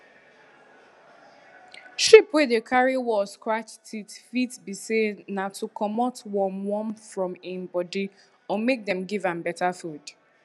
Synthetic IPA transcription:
ʃipwedekʰaɹiwɔskɹat͡ʃtʰitfitbisenatʰukʰɔmɔtwɔ̃mwɔ̃mfɹɔ̃mɪ̃mbɔdi | ɔmek̚dɛ̃mɡivãmbɛtafud

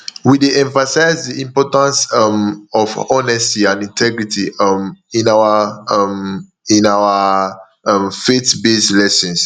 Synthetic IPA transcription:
wideɛ̃ɱfasaɪzdiĩmpɔtãnsʌmɔvɔnɛstiãnĩntʰɛɡɹitimĩnawam | ĩnawa | mfetbeslɛsɔ̃ns

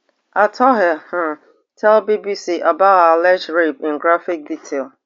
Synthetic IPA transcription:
atʰɔɦɛh̩ | tʰɛlbibisiʔabaʊtalɛd͡ʒɹepɪ̃nɡɾafik̚ditʰel

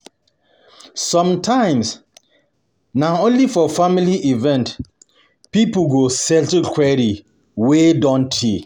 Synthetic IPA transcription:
sɔ̃mtʰãɪ̃ms | naõnlifɔfamiliʔivɛ̃nt | pipɡosɛltkʰwɛɹi | wedɔ̃ntʰi

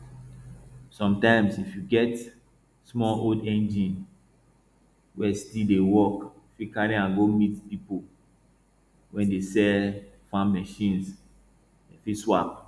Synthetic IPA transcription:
sɔ̃mtãɪ̃msifjuɡɛt | smɔodɛ̃nd͡ʒĩn | wɛstidewɔk | fikaɾĩãnɡomitpipo | wɛ̃ndesɛ | fãmmɛʃĩns | ɛfiswap̚

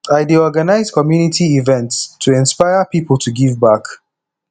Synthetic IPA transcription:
aɪdiɔɡanaɪzkʰɔmjunitʰiivɛ̃ntstʰuɪ̃nspaɪəpipəl̩ˠtʰuɡivbak

